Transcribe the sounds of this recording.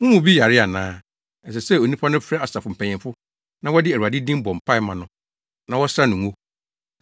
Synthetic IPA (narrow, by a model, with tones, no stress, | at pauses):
wʊ̃˦mʊ̃˨bi˦ja˨ɾɪ˦a˨nãː˦ | ɛ˨s̬ɛ˨sɛ˦˨o˨nĩ˦pʰa˦nʊ̃˦fɛ˦a˨sa˨fʊ˨m̩˨pʰɛ̃˨ɲɪ̃˨fʊ˦ | nã˦wɔ˦dɪ˦æ˨ɾu˨a˨dɪ˦dĩ˦m˦bɔ̃˨m̩˨pʰa˦ɪ˨˦mã˨nʊ̃˨ | nã˦wɔ˦sɾa˦nʊ̃˨ŋõ˦